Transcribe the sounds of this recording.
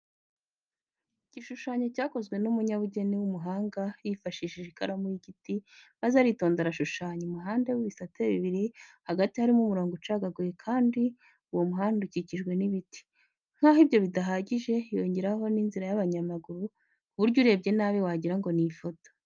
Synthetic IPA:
iɟ̥iʃuʃaːɲo̞caːko̞zɡwe̞numuɲaβuɟe̞niwumuɦaːŋɡajifaʃiʃiʒekaɾamujiɡitimazehaɾito̞ːndaɾaʃuʃaːɲomuɦaːnde̞wiβisateβiβiɾihaɡatihaɾimumuɾo̞ːŋɡot͡ʃaɡaɡoɾekʰaːndi | uwo̞muɦaːnduciciʒɡwe̞niβiti̥ | ŋ̥haɦibjo̞βidaɦaɟiʒe̞jo̞ːɲɟe̞ɾaɦo̞ninziɾajaβaɲamaɡuɾu | kuβuɾɟuɾe̞b̚ɟe̞naːβiwaɟiɾaŋɡo̞nifo̞to̥

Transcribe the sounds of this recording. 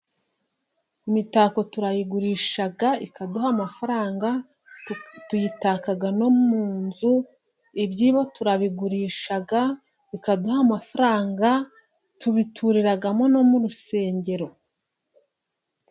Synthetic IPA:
imitako̞tuɾajiɡuɾiːʃaɡaikaduhamafaɾaːŋɡa | tujitakaɡano̞muːnzu | ibɟiːβotuɾaβiɡuɾiːʃaɡa | ikaduhamafaɾaːŋɡa | tuβitʰuɾiɾaɡamo̞no̞muɾuse̞ːɲɟe̞ɾo̞

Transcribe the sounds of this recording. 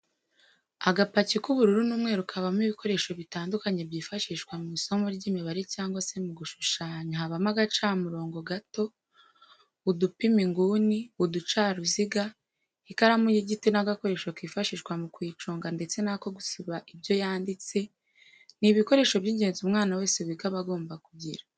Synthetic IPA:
aɡapacikuβuɾuɾunuːmŋe̞ːɾukʰaβamiβiko̞ɾe̞ːʃo̞βitaːndukaɲe̞bɟiːfaʃiʃkwamuiso̞moɾɟiːmiβaɾicaːŋɡwase̞muɡuʃuʃaːɲahaβamaɡat͡ʃaːmuɾo̞ːŋɡo̞ɡato̞ | βudupimiŋɡuːniβudut͡ʃaːɾuziɡa | hikaɾamujiɟitinaɡako̞ɾe̞ːʃwokwiːfaʃiʃkwamukwiːt͡ʃoːŋɡande̞t͡se̞nako̞ɡusiβaʔibjo̞jaːndit͡se̞ | niβiko̞ɾe̞ːʃo̞βɟiːɲɟe̞ːnzumŋaːnawe̞ːseβiɡaβaɡo̞ːmbakuɟiɾa

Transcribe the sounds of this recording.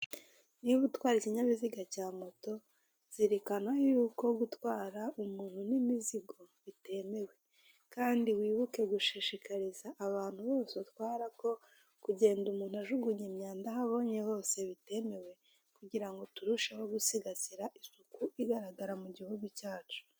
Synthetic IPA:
niβutwaːɾiciɲaβiziɡacaːmo̞to̞ | z̥iɾekanwajuːko̞ɡutwaːɾaumuɾunimiziɡo̞βite̞me̞we̞ | kaːndiwiːβuke̞ɡuʃiʃikʰaɾizaʔːβaːn̥huβo̞ːseutwaːɾako̞ | kuɟe̞ːndumuːn̥huaʒuɡuɲemɲaːndaɦaβo̞ːɲe̞ho̞ːse̞βite̞me̞we̞ | kuɟiɾaŋɡo̞tuɾuʃaho̞ɡusiɡasiɾaʔisukuiɡaɾaɡaɾamuɟihuɡucaːt͡ʃu̥

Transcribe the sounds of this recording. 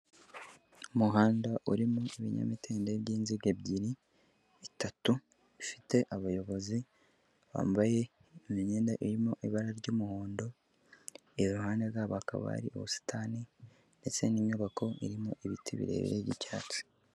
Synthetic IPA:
umuɦaːndaʔuɾimuʔiβiɲa̰mitʰeːndeβɟiːnziɡeβɟiɾiː | tatu | ifi̥te̞ʔaβajo̞βo̞zi | βa̰ːmbaje̞ | miɲeːndaʔiɾimuʔiβaɾaɾɟoːmuhoːndo̞ | eβuɦaːndezaːβoaka̰βa̰ɾḭʔo̰βusi̥tʰaːni | nde̞t͡se̞niːɲɲuβakʰo̞ḭɾimuʔiβḭtiβḭɾe̞̰βḭɾeɟḭca̰ːt͡si̥

